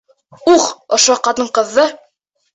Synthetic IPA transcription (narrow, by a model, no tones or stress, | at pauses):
uʁŏʃoqɑt̪ɤɴqɤ̆ðːɤ